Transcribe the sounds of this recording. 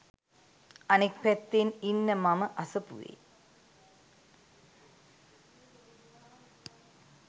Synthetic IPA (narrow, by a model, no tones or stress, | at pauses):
ɐnikʋet̪ːeninːɐmɐmɐʔɐsɐpṵʋḛ